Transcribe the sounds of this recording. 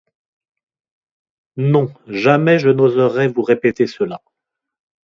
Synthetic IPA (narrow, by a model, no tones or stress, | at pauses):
nɔ̃ʒamɛʒənozəʁɛvuʁepet̪esəla